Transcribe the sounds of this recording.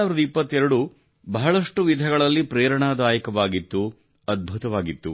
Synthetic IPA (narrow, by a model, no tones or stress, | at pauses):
aːʋiɾɐd̪ɐipːɐt̪ːɛɾɐɽu | bɐɦɐɭɐʂʈuʋid̪ʱɐɡɐɭɐlːipɾɛːɾɐɳaːd̪aːjɐkɐʋaːɡit̪ːu | ɐd̪̚bʱut̪ɐʋaːɡit̪ːu